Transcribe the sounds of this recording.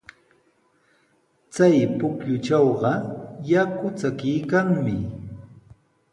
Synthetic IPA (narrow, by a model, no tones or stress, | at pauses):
t͡sajpʊkʎʊt͡ʃɑwɢɑjakʊt͡sakɪjkaŋmɪ